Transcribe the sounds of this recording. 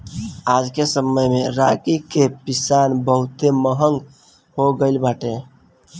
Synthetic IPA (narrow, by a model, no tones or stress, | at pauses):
ad͡ʒkesəməjmeɾakikepisanbəɦut̪eməɦəŋɡ | hoɡəɪlbaʈe